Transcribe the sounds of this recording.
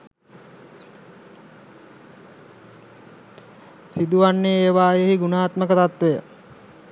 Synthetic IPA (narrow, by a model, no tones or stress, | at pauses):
sid̪uʋanːeeːʋaːjeɦiɡunaːt̪məkət̪at̪ʋejə